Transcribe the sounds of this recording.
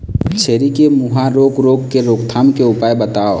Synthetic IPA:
t͡ʃʰeːɾikemuɦaɾoːɡɾoːɡkeɾoːkt̪ʰaːmkeʊpaːjbət̪aːo

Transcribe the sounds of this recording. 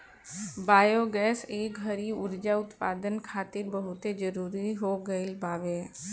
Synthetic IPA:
baːjoɡɛːseːkɡʱəɾiʊɾd͡ʒaʊt̪pa̰ːd̪ənkʰaːt̪ɪɾbəɦʊt̪ed͡ʒəɾuːɾiɦoɡəɪlbaːʋeː

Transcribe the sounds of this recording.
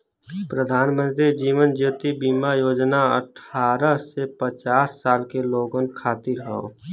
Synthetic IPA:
pɾəd̪ʱaːnmə̃nt̪ɾid͡ʒiːʋənd͡ʒut̪ibiːmajoːd͡ʒnaə̰ʈʰaːɾəsepət͡ʃaːsːaːlkeloːɡənkʰaːt̪iɾɦəɦo̰ː

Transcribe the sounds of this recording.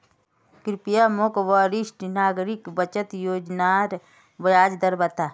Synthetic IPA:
kɾɪpijamokʋaɾɪʃʈnaːɡɾɪkbət͡ʃət̪joːd͡ʒnaɾ | ʋəjaːd͡ʒd̪əɾbət̪a

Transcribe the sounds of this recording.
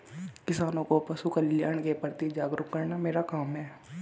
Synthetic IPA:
kɪsaːnõkopɐsukəljaːɳ̃kepəɾt̪id͡ʒaːɡɾʊkkɐɾnameːɾakaːmɦɛː

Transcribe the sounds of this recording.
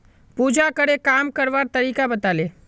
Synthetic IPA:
puːd͡ʒakəɾekaːmkəɾʋaːɾt̪ɐɾiːkabɐt̪aːleː

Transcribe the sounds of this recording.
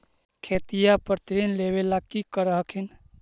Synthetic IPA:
kʰeːt̪ijapəɾt̪ɾinlewelakikəɾəɦəkʰin

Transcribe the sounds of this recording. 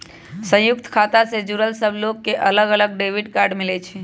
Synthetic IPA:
sə̃jʊk̚t̪kʰat̪ased͡ʒuɾəlsəbʱlokːeʔələɡələɡ̚ɖeʋiɖkaɾɖmilɛt͡ʃʰɛ

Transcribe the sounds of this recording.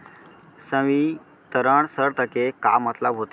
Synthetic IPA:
sə̃ʋi | t̪əɾəɳsəɾt̪əkekamət̪labɦot̪

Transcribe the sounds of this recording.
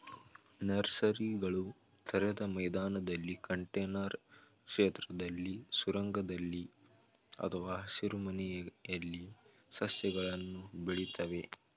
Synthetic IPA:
nɐɾsɐɾiɡɐɭu | t̪ʰɐɾɛd̪ɐmɐjd̪aːnɐd̪ɐlːikɐɳʈeːnɐɾ | kʂeːt̪ɾɐd̪ɐlːisuɾɐŋɡɐd̪ɐlːi | ɐ̰t̪ʰɐʋaːɦɐsiɾumɐnɛjjɐlːi | sɐsjɐɡɐɭɐnːubeɭit̪ɐʋe̞

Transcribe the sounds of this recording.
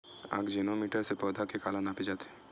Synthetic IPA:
a̰ːɡd͡ʒenomiːʈəɾsepɔːd̪ʱakekaːlanapid͡ʒaːt̪e

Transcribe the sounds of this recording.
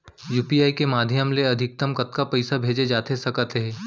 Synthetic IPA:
juːpiaːikemaːd̪ʱjəmleɐd̪ʱɪk̚t̪əmkɐt̪kapɐɪsabʱeːd͡ʒed͡ʒaːt̪esɐkət̪ɦɛ̃ː

